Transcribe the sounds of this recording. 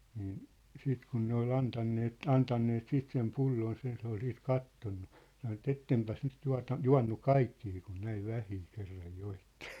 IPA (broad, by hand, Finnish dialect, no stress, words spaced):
niːn siːt kun ne ol ɑntɑnːeːt ɑntɑnːeːt siːt sem pulːoːns jɑ se ol siːt kɑtːonːu sɑno ĕt etːempæs nyt tuɑ̝tɑ juɑ̝nːu kɑikːiː kun næiʋ ʋæhiː kerːɑj joitːe̥